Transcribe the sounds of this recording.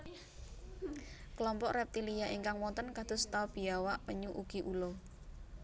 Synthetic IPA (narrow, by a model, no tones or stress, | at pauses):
kəlɔmpɔʔrɛp̚t̪ilijaʔiŋkaŋwɔnt̪ənkad̪̥ʊ̤st̪aub̥i̤awaʔpəɲuʔuɡ̥i̤ʔulɔ